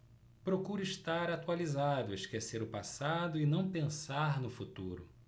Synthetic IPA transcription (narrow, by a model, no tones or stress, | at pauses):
pɾokuɾʊiʃt̪aɾat̪ualizad̪ʊiʃkeseɾʊpasad̪ʊɪnɐ̃w̃pẽsaɾnʊfut̪uɾʊ